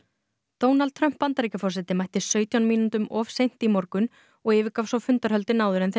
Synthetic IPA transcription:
t̪oːwnalt̪̚t̪ʰɾœm̥pːant̪aɾicafɔrsɛt̪ɪmajht̪ɪsœːɥt̪ʰjawnmiːnʏnt̪ʏmɔfsejn̥t̪imɔɾkʏn | ɔɣɪːvɪkawsɔwfʏnt̪aɾ̥hœlt̪ɪnaːwðʏɾɛnθ

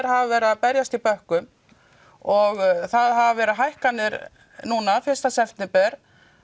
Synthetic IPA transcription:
ɾ̥havvɛːɾɪaðpɛɾjast̪ipœhkʏm | ɔɣθaðɦavavɛːɾɪɦajhkanːɪɾ | nuːnafɪr̥st̪asɛft̪nɪpɛɾ̥

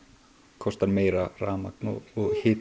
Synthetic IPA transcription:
kʰɔst̪aɾmeːjɾaraːmaknɔ̰ɔɣhɪːt̪

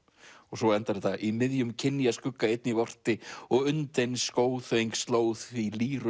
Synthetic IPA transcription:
ɔɣsɔɛnt̪aɾet̪aʔimɪðjʏmcʰɪnːjaskʏkːaejt̪nivɔr̥t̪ɪɔɣʏnt̪ejnskoːwθejŋkst̪loːwθfiliːɾʏ

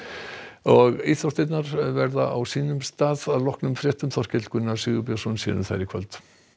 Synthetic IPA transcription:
ɔɣet̪θawst̪ejt̪naɾvɛɾðaʔawsiːnʏmst̪aːðaðlɔhknʏmfɾjɛht̪ʏmθɔr̥cɛt̪l̥kʰvʏnːasɪːɣʏpjasɔnsjɛ̰ðʏmθa̰ɾɪkʰvœ̰lt̪

